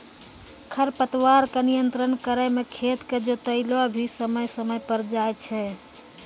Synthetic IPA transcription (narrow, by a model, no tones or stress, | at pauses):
kʰəɾpət̪waɾkenijənt̪ɾənkəɾəmekʰet̪ked͡ʒot̪əɪlobʱisəməjsəməjpəɾd͡ʒajt͡ʃʰɛ